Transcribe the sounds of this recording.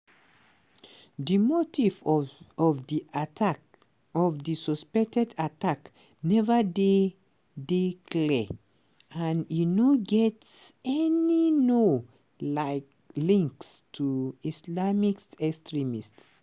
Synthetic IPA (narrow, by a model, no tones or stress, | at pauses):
ðimotivɔvdiʔat | ɔvdisɔspɛk̚tɛdatak | nɛvəde | dekʰlɛ | ãninoɡɛtsɛnino | laɪk | lĩŋkstʰuislamiksɛkstɹimists